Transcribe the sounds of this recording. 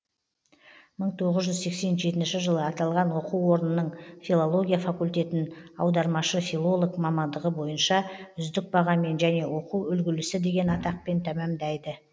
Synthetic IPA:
məɴt̪ʰo̞ʁəzʒʏzse̞kse̞nʒe̞t̪ɪnʃɪʒəlˠəɑt̪ɑlˠʁɑnwo̞quwːo̞ɾənənəɴfilˠolˠo̞ɡʲijafakulʲt̪e̞t̪ɪnɑ̰wd̪ɑɾmɑʃəfilˠo̞lˠo̞kmɑmɑnd̪əʁəbo̞jənʃɑʏzd̪ɪk̚bɑʁɑme̞nʒæne̞wo̞quwʏlɡʲɪlɪsɪd̪e̞ɡʲe̞nɑt̪ɑq̚pe̞nt̪ʰæmæmd̪æjd̪ə

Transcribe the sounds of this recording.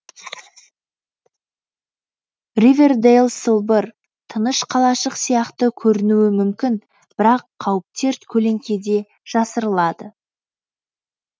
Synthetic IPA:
rivʲe̞rd̪ejlˠsəlˠbəɾ | t̪ʰənəʃqʰɑlˠɑʃəqsijɑqt̪əkʲʰɵɾɪnuwɪmʏmkʲɪn | b̥ɪɾɑqʰːɑwəp̚t̪e̞ɾt̪kʲʰɵle̞ŋkʲe̞d̪e̞ | ʒ̥ɑsəɾəlˠɑd̪ə

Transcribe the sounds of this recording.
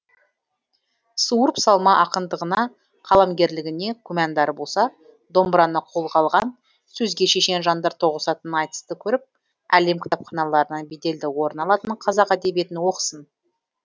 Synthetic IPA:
suəɾpsɑlˠmɑʔɑqənd̪əʁənɑ | qʰɑlˠɑmɡʲe̞ɾlɪɡʲɪne̞kʲʰɵmænd̪ɑɾəbo̞lˠsɑ | d̪o̞mbɾɑnəqʰo̞lˠqʰɑlˠʁɑn | sɵzɡʲe̞ʃe̞ʃe̞nʒɑnd̪ɑɾt̪ʰo̞ʁəsɑt̪ənənɑjt̪ə̥st̪əkʲʰɵɾɪp̚ | æle̞mkʲʰɪ̥t̪ɑpχɑnɑlˠɑɾənɑbed̪e̞ld̪ɪwo̞ɾnɑlˠɑt̪ənqʰɑzɑqæd̪e̞bje̞t̪ɪnwo̞qə̥sən

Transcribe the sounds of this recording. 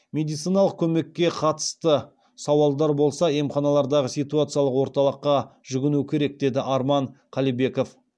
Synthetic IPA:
mʲe̞d̪ijt̪sijnɑlˠəq̚kʲʰɵme̞kʲːe̞qʰɑt̪ə̥st̪ə | sɑwɑlˠd̪ɑɾbo̞lˠsɑemχɑnɑlˠɑɾd̪ɑʁəsijt̪uat̪sɨijalˠəqwo̞ɾt̪ɑlˠəqːɑʒʏɡʲɪnukʲʰe̞ɾe̞k̚d̪e̞d̪ɪʔɑɾmɑɴqʰɑlijbe̞ko̞f

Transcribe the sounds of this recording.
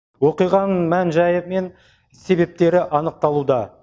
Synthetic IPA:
wo̞qijʁɑnmænʒɑjəme̞n | se̞be̞p̚t̪e̞ɾɪʔɑnəq̚t̪ɑlˠud̪ɑ

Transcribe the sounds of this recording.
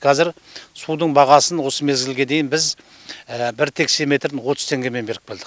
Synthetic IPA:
qʰɑzɪɾsud̪əɴbɑʁɑsənwo̞səme̞zɡʲɪlɡʲe̞d̪e̞jɪnbɪz | bɪɾt̪ʰe̞kseme̞t̪ɾɪnwo̞t̪ʰʊ̥zt̪ʰe̞ŋɡʲe̞me̞nbe̞ɾɪk̚beld̪ɪq

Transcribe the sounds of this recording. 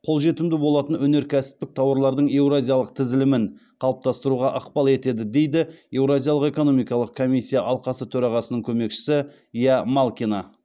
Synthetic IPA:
qʰo̞lˠʒe̞t̪ɪmd̪ɪbo̞lˠɑt̪ənwɵne̞ɾkʲʰæsɪ̥p̚t̪ɪk̚t̪ʰɑwəɾlˠɑɾd̪əɴe̞wɾazʲijalˠəq̚t̪ʰɪzɪlɪmɪɴqʰɑlˠəp̚t̪ɑst̪əɾuʁɑʔɑqpɑlˠe̞t̪e̞d̪ɪd̪e̞jd̪ɪje̞wɾazʲijɑlˠəqe̞ko̞no̞mijkɑlˠəqkʰomisʲːijaʔɑlˠqɑsət̪ʰɵɾɑʁɑsənəɴkʲʰɵme̞kʃɪ̥sɪ | ijamalˠkʲina

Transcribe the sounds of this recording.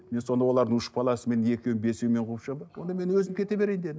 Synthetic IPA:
me̞nso̞nd̪ɑwo̞lˠɑɾd̪əŋʊʃə̥pʰɑlˠɑsəme̞ne̞kʲewbe̞sewme̞ɴqʰupʃɑd̪əwo̞nd̪ɑme̞nwɵzɪmkʲʰe̞t̪e̞be̞ɾejnd̪e̞d̪ɪ

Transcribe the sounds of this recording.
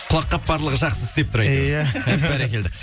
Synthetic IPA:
qʰʊlˠɑqːɑp̚b̥ɑɾlˠəʁəʒɑqsəzɪst̪e̞p̚t̪ʊɾɑjjæbæɾekʲe̞ld̪ɪ

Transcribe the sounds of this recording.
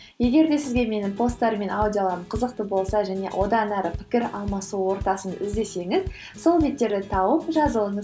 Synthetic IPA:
je̞ɡʲe̞ɾd̪e̞sɪzɡʲeme̞nɪŋpʰo̞st̪ːɑɾme̞nawd̪ʲjo̞lˠɑɾəmqʰəzəq̚t̪əbo̞lˠsɑʒæne̞̰wʔo̞d̪ɑnæɾəpʰɪ̥kʲɪɾɑ̰lˠmɑsuwo̞ɾt̪ɑsənɪ̰zd̪e̞se̞ŋɪz | so̞lˠbe̞t̪ːe̞ɾd̪ɪt̪ʰɑwəpʒɑzəlˠəɴəz

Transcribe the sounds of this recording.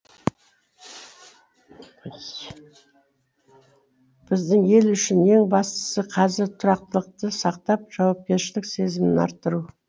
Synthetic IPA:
b̥ɪzd̪ɪŋe̞lʏʃɪne̞ŋbɑst̪ə̥səqʰɑzɪɾt̪ʰʊɾɑqt̪əlˠəq̚t̪əsɑq̚t̪ɑp̚ʒ̥ɑwɑp̚kʲe̞ɾʃɪlɪkse̞zɪmɪnɑ̰ɾt̪ːəɾu

